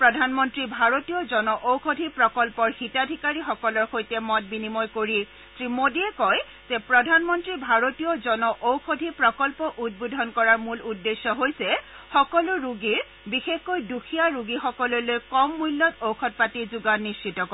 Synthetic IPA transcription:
pɹɔdʱanmɔntɹibʱaɹotijɔzɔnɔʔowkʰodʱipɹɔkɔlpɔɹxitadʱikaɹixɔkɔlɔɹxojtɛmɔt̚binimɔjkoɹi | tɹimodiɛkɔj | z̥ɛpɹɔdʱanmɔntɹibʱaɹotijɔzɔnɔʔowkodʱipɹɔkɔlpɔʔud̚bodʱɔnkɔɹaɹmuludːesːɔɦojsɛ | xɔkɔlʊɹuɡiɹ | bixexkojduxʰijaɹuɡixɔkɔlɔjlojkɔmːujlːɔtowkʰɔt̚patizuɡanːist͡ʃitɔk

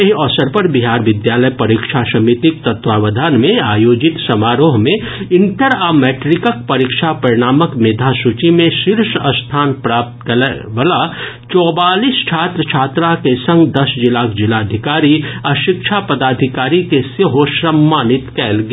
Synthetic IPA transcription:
eɦɔːsəɾpɐɾbɪɦaːɾʋɪd̪jaːləjpɐɾikʃasɐmit̪ɪk̚t̪ɐt̪waːʋəd̪ʱanmẽaːjoːd͡ʒɪt̪sɐmaːɾoːɦmẽ | ɪ̃nʈəɾaːmɛːʈɾɪkək̚pɐɾikʃʰapɐɾɪɽ̃aːməkmeːd̪ʱasut͡ʃimẽʃɪɾʃɐst̪ʰaːnpɾaːp̚t̪kɐʋəla | t͡ʃɔːbaːliːst͡ʃʰaːt̪ɾət͡ʃʰaːt̪ɾakesɐ̃ŋɡd̪ɐsd͡ʒɪlaːkd͡ʒɪlad̪ʱɪkaːɾiɐʃɪkʃʰapɐd̪aːd̪ʱɪkaːɾikesəɦoʃɾəmːaːnɪt̪kɛːlɡ

